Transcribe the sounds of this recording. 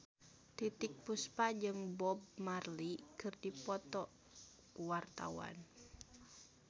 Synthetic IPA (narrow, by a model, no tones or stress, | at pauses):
t̪it̪ik̚puspad͡ʒɨŋbɔb̚marlikɨrdipɔt̪ɔ | kuwart̪a̰wa̰n